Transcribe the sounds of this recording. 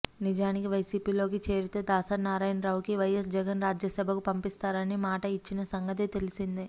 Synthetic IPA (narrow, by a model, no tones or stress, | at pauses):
nid͡ʒaːnikiʋɐjsiːpiːlo̞ːk̬it͡ʃe̞ːɾit̪eːd̪aːsɐnaːɾaːjɐnɾaːwukiʋɐjesd͡ʒɛɡɐnɾaːd͡ʒjɐsɐbʱɐkupɐmpist̪aːɾɐnimaːʈɐit͡ʃːinɐsɐŋɡɐt̪̬it̪e̞lisind̪i